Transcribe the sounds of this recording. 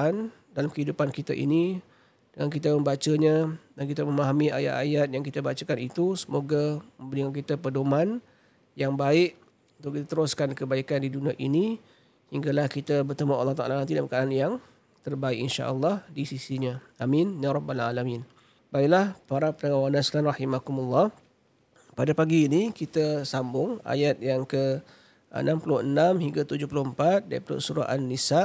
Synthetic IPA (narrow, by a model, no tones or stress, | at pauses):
an | dalamkəɦidupankit̪aʔḭni | d̥əŋankit̪̬aməmbat͡ʃaɲadank̬it̪aməmaɦamia̰ja̰t̪a̰jat̪̚jaŋkit̪abat͡ʃakanit̪usəmoɡaməmbəɾiəŋank̬it̪apədoman | jaŋbaɪʔ | unt̪ʊʔkit̪at̪əɾʊskankəbaikandiduniaʔḭni | hiŋɡalahkit̪abərt̪əmaʔa̰lːɑht̪aʔalanant̪idalamkananjaŋ | t̪ərbaɪkinʃa̰ʔəlːɑhdisisiɲa | aminnaɾɔbala̰lamin | baɪʔlahpaɾapənəŋawanaslanrɑhimakumalːɑh | padapaɡiːnikit̪asambʊŋa̰jat̪̚jaŋkə | ə̰nʔãmpulʊənamhiŋɡat̪ud͡ʒʊhpulʊəmpat̪̚daḭplʊ̰ʔsuɾa̰ʔanːisaʔ